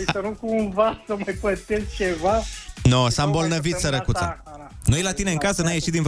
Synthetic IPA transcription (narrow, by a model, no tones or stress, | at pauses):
isənukunvasəmajpəsest͡ʃevanosambo̞lnəvit̪səɾəkut̪sa̰ | nujlat̪ineɨŋkasənamje̞ʃit̪̚d̪in